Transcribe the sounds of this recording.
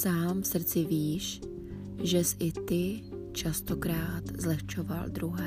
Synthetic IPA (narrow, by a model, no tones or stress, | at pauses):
saːmfsr̩t͡sɪviːʃ | ʒɛsʔɪt̪ɪt͡ʃast̪o̞kɾaːt̪zlɛxt͡ʃo̞va̰ld̪ɾuɦɛː